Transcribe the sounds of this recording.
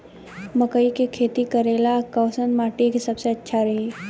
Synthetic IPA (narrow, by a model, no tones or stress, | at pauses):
mɐkəikekʰeːt̪ikɐɾeːlakəːsənmaːʈikesɐbseɐtːʃʰaɾɐɦi